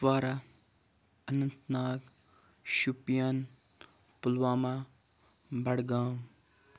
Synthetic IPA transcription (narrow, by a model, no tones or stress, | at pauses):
ʋaːɾa | ɐnɐnt̪naːɡ | ʃupjan | pulʋaːma | bɐɽɡaːm